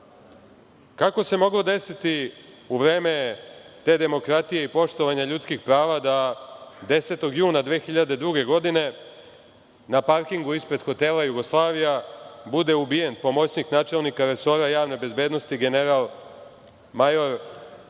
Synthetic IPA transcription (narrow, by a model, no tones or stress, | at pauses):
kako̞se̞mo̞ɡlo̞d̪e̞sit̪i | uʋɾeːme̞t̪e̞ːd̪e̞mo̞kɾat̪ijeipo̞ʃt̪o̞ʋaɲaʎut̪skixpɾaːʋad̪ad̪e̞se̞t̪o̞ɡjuːnad̪ʋe̞ːxiʎad̪e̞d̪ɾuɡe̞ɡo̞d̪ine̞ | napaɾkiŋɡuispɾe̞d̪xo̞t̪e̞ːlajuɡo̞slˠaːʋijabud̪e̞ubije̞npo̞mo̞t͡ɕɲiknaːt͡ʃe̞lˠnikaɾe̞so̞ɾajaːʋne̞be̞zbe̞d̪no̞st̪iɡe̞neɾalˠ | majoɾ